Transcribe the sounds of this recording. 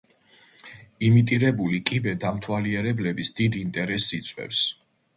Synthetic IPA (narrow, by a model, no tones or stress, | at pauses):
imit̪ʼiɾɛbulikʼibɛd̪amt̪ʰwaliɛɾɛblɛbisd̪̥id̪int̪ʼɛɾɛsːit̪sʼwɛ̰fs